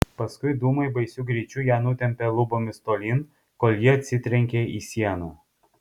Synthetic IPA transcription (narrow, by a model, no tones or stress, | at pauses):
pɐskʊɪd̪uːmɐɪbɐɪsʲʊɡɾʲiːt͡ʃʲuːjæːnʊt̪ʲɛmʲpʲɛlˠʊboːmʲɪst̪oːlʲiːn | koːlʲˠjiɛɐt̪ʲsʲɪt̪ʲɾʲɛŋʲkʲeiːsʲiɛnoː